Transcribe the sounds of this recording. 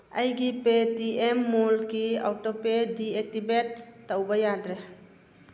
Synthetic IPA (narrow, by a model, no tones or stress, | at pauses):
ajɡipetiemːolkia̰wtɔpediek̚tibetːawbɐjadɾe